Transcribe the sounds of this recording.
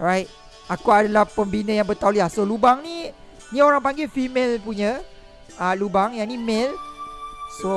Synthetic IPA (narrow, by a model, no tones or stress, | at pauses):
ɹajt̚ | akuadalahpəmbinə̃jaŋbət̪awliasolubaŋni | nioɾaŋpaŋɡefimelpuɲə | alubaŋjanimel | so